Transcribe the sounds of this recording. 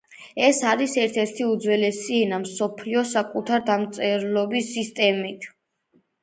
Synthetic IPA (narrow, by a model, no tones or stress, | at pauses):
ɛsaɾisɛɾt̪ʰɛɾt̪ʰiud̪zwɛlɛsiɛnamsɔpʰliɔsakʼut̪ʰaɾd̪amt̪sʼɛɾlɔbisːist̪ʼɛmit̪ʰ